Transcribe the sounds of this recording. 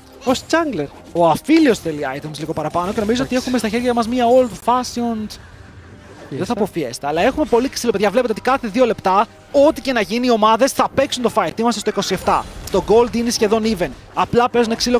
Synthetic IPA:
post͡sɐŋɡleɾ | o̞ɐfiliosθe̞liɐjt̪umsliɣo̞pɐɾɐpɐno̞ce̞no̞mizoot̪ie̞xumest̪ɐçe̞ɾʝɐmɐzmiɐold̪fɐsiond̪ | ðeθɐpofiest̪eɐlɐe̞xume̞po̞liksilo̞peðʝɐvlept̪eo̞t̪i̥kɐθe̞ðio̞le̞pt̪ɐ | o̞t̪ice̞nɐʝiniio̞mɐðe̞sθɐpe̞ksunt̪o̞fɐjt̪imɐst̪est̪oiko̞sie̞ft̪ɐt̪o̞ɡo̞ld̪inesçe̞ðo̞niven | ɐplɐpe̞zuneksilo

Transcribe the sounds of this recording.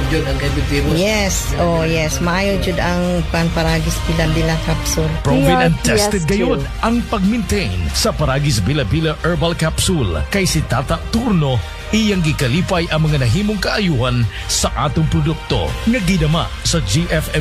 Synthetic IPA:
d͡ʒʊd̪ɐŋkɐbiijɛs | ojɛsmɐʔaːjot͡ʃʊd̪ɐŋpaŋpɐɾaːɡisbilabilakapsulpɹovilɛn̚t̪ɛst̪ɛd̪̚ɡɐjonɐŋpɐɡ̚mɛnt̪ɛjnsɐpɐɾaɡis̬bilɐbilɐʔɛɹbɐlkapsulkɐjsit̪at̪ɐt̪uɾno̞ | ʔijɐŋɡɪkɐliːpɐjʔɐŋmɐŋanɐɦiːmoŋkɐʔɐjuhɐn | sɐʔa̰ːt̪ʊŋpɾod̪uk̚t̪o̞̰ŋɐɡid̪ɐma̰sɐd͡ʒiʔɛfɛ

